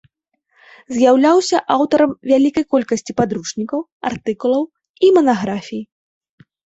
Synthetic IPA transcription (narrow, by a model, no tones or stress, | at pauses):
zʲjawlʲawsʲɐʔawt̪ɐɾɐmvʲalʲikɐjkɔlʲkɐsʲt͡sʲipad̪ɾuʂnʲikɐw | art̪ɨkulˠɐw | imɐnaɣɾafʲij